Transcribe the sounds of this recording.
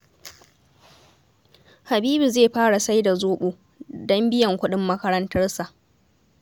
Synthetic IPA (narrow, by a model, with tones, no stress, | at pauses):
ha˨biː˦bi˨zeː˦˨ɸaː˦ɽa˨sa˦jda˨zoː˦ɓoː˦ | dɔ˦mbɪ˦jɐ˨ŋkʷʊ˦ɗɪ˦mːɐ˦kɐ˦ɾɐ˦ntɐ˦rsa˨ʔ